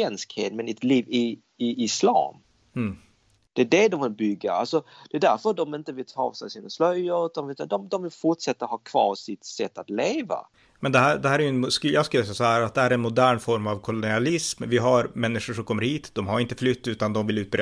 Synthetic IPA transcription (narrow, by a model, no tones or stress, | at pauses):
ɛnskhḛːt̪mɛnɛt̪liːvɪ | ɪɪslɑ̰ːm | d̪̥ɛːd̪ɛd̪ɔmvɪlbʏɡːa̰a̰lsɔd̪̥ɛːd̪æɾfədɔmɪnt̪əvɪlt̪ʰɑ̰ːsɛsiːnaslœjʊd̪ɔmvɪld̪ɔmd̪ɔmvɪlfʊʈʂɛt̪ːahɑːkʰvɑ̰ːɾsɪt̪sɛt̪ːat̪leːva̰ | mɛnd̪ɛɦæːɖɛhæːɾæɾjɵɛnskjɑːɡskɵləsɛjasɔɦæːɾat̪̚d̪ɛhæːɾɛnmʊd̪æːɳfɔɾmavkʰʊlʊnɪalɪsmvɪɦaɾmɛnːɪʂʊʂɔmkʰɔmːəɾhiːt̪d̪ɔmɦaɾɪnt̪ə̥flʏt̪ːʉ̟ːt̪and̪ɔmvɪlʉ̟ːt̪̚bɾe